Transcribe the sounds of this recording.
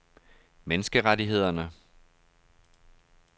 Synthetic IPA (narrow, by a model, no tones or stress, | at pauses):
menəsɡ̥əʁadiɦe̝ð̞̰ˠɐnə